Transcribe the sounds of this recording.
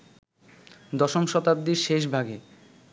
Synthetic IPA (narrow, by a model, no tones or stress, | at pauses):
d̪ɔʃomʃɔt̪ab̚d̪iɾʃeʃ̬bʱaɡe